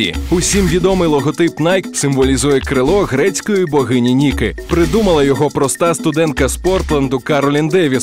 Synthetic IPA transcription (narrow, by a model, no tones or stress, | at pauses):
ḭʊsʲimʋʲid̪ɔmɪjlˠɔɦɔt̪ɪpnɑjksɪmʋɔlʲizujɛkɾɪlˠɔɣɾɛt͡sʲkɔjibɔɦɪnʲinʲikɪpɾɪd̪umɐlˠɐjɔɦɔpɾɔst̪ɑst̪ʊd̪ɛnkɐspɔrt̪lˠɐnd̪ʊkɐɾɔlʲind̪ɛʋʲi